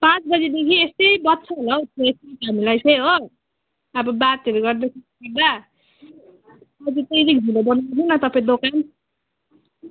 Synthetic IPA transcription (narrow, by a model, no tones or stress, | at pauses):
pãt͡sbʌd͡zid̪ekʰiest̪ʌjbʌtːsʰʌɦolawt̪ʰeest̪t̪ɦamilajsʰʌjɦo | ʌbʌbat̪eɾuɡʌrd̪ekʰi | ʌrd̪a | ʌd͡zit̪ʌjɾik̚bʱilobʌnat̪ʰʌnʌt̪ʌpãd̪okan